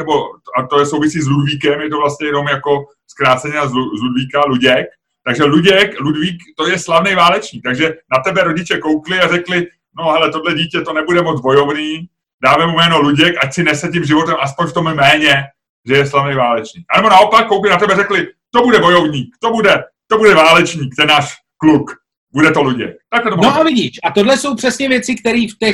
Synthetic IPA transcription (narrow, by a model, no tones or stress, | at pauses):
nɛbo̞at̪ojɛsowvɪsiːz̬ludviːkɛmjɛt̪ovlast̪ɲɛjɛno̞mjako̞ | skɾaːt͡sɛɲɪnazluzludviːkaluɟɛk̚ | t̪aɡʒɛluɟɛkludviːkt̪o̞jɛslavnɛjvaːlɛt͡ʃɲiːk̚t̪aɡʒɛnat̪ɛbɛɾo̞ɟɪt͡ʃɛkowklɪarɛklɪ | no̞ɦɛlɛt̪odlɛɟiːcɛt̪o̞nɛbudɛmod͡zbo̞jo̞vniː | daːvɛmumɛːno̞luɟɛkʔacsɪnɛsɛcimʒɪvo̞t̪ɛmʔaspoɲft̪o̞mmɛːɲɛ | ʒɛjɛslavnɛjvaːlɛt͡ʃɲiːk̚ʔanɛbo̞nao̞pakːowklɪnat̪ɛbɛɾɛklɪt̪o̞budɛvo̞jovɲiːkt̪o̞budɛ | t̪o̞budɛvaːlɛt͡ʃɲiːk̚t̪ɛnːaːʃ | kluk | budɛt̪o̞luɟɛ̰k̚t̪aklɛt̪omnoavɪɟiːʃʔat̪odlɛso̞wpr̥ɛsɲɛvjɛt͡sɪkt̪ɛɾiːft̪ɛ